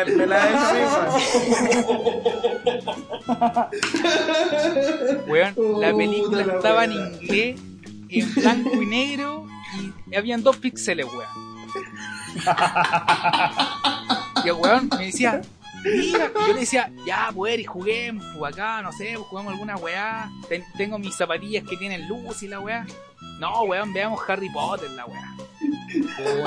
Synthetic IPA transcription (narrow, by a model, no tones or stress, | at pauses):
elae | weonlapelikulaet̪aβaeniŋɡle | emblaŋkoineɣɾo | iaβiand̪ohpikseleɣeon | iaɣweonmeðisia | miɾajoleesiaʝapweɾixuɣemopuakanosepwoxuɣamoalɣunaweat̪eŋt̪eŋɡomisapat̪iʝasket̪jenenlusilawea | noɣweombeamoxaripot̪eɾlawea | o